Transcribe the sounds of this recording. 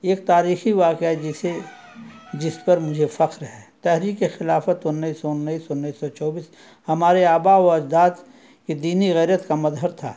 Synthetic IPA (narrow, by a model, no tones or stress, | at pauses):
eːk̚t̪aːɾiːxiʋaːkjaɛd͡ʒɪse | d͡ʒɪspɐɾmʊd͡ʒʱefɐqɾɦɛːt̪ɛɦɾiːkːexɪlaːfət̪ʊnːəisːɔʊnːəiːsɔnːiːsːɔt͡ʃɔːbiːs | hɐmaːɾeaːbaɔɐd͡ʒd̪aːt̪ | kid̪iːniɣɛːɾət̪kamɐzɦəɾt̪ʰa̰ː